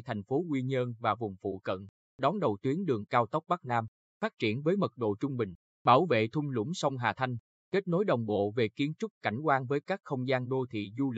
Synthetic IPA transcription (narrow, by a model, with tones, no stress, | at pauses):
jt̪ʰa˨˩jŋ̟fo˨˦ŋwi˧ɲə˧nvaː˨˩vʊ˨˩ŋ͡mfṵ˧˨kə̰˧˨n | ɗɔ˨˦nɗə˨˩wt̪wi˨˦ənɗɨ˨˩əŋkaː˧wt̪ə˦˥wk͡p̚ɓa˦˥k̚naː˧m | faː˦˥t̚t͡ɕi˧˩ənvəː˨˦jmə˨˩t̚ɗo̰˧˨t͡ɕʊ˧ŋ͡mɓï˨˩ŋ̟ | ɓaː˧˩wvḛ˧˨t̪ʰʊ˧ŋ͡mlʊ̰˧˩˦ŋ͡msɔ˧wŋ͡mɦaː˨˩t̪ʰa˧jŋ̟ | ke˦˥t̚no˨˦jɗə˨˩wŋ͡mɓo̰˧˨ve˨˩ki˨˦ənt͡ɕʊ˦˥t̚ka˧˩jŋ̟kwaː˧nvəː˨˦jkaː˦˥k̚xə˧wŋ͡mzaː˧nɗo˧t̪ʰḭ˧˨zu˧l